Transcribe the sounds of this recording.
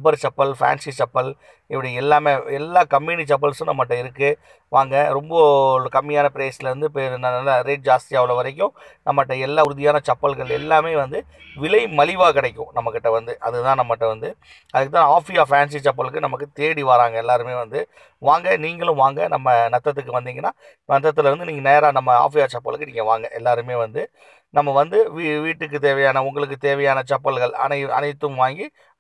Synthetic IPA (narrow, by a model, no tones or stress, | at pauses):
ʊbɐɾt͡ʃɐpːɐlfa̰ːnsit͡ʃɐpːɐl | ɪpːɐɽiɛlːaːmeːɛlːaːkɐmːiːnit͡ʃɐp̬ːɐlsʊ̃nɐmːɐʈːɐ̃ɪɾɯkːɯ | ʋaːŋɡɐɾɔmbɐkɐmːɪjaːnɐpɪɾeːsɪlɐʋɐnd̪ɯpeːɾnɐɐlːaɾeːʈ̚d͡ʒaːst̪ɪjaːʋɪlɐʋɐɾɐk̬ʲːʊ̃ | nɐmːɐʈːɐ̃ɛlːaːʊɾɯðɪjaːnɐt͡ʃɐpːɐlɣɐɭɛ̰lːaːmeːʋɐnd̪ɯ | ʋɪlɐɪmɐlɪʋaːkɪɽɐɪkʲːʊ̰̃nɐmːɐkːɪʈːɐʋɐnd̪ɯʔɐ̰ðɯt̪ãːnɐmːɐʈːɐ̃ʋɐnd̪ɯ | ɐðɯkːɯt̪ãːaːfɪjaːfaːns̬it͡ʃɐp̬ːɐlɯkːɯnɐmɐkːɯt̪eːɽiʋaːɾaːŋɡɐɛlːaːɾɯmeːʋɐnd̪ɯ | ʋaːŋɡɐniːŋɡɐɭʊ̃ʋaːŋɡɐnɐmːɐnɐt̪ːɐt̪̬ːɯkːɯʋɐnd̪ɪːŋɡɐnːaː | nɐt̪ːɐt̪ːɪlɐɾɐnd̪ɯniːŋɡɐneːɾaːnɐmːɐa̰ːfɪjaːt͡ʃɐpːɐ̰ɭkːɯniːŋɡɐʋaːŋɡɐʔɛlːaːɾɯmeːʋɐnd̪ɯ | nɐmːɐʋɐnd̪ɯʋiʋiːʈːɯk̬ːɯt̪eːʋɐjaːnɐʊŋɡɐɭɯk̬ːɯt̪eːʋɐjaːnɐt͡ʃɐpːɐɭɣɐɭɐ̰nɐɐ̰nɐɪt̪ːɯmʋaːŋɡi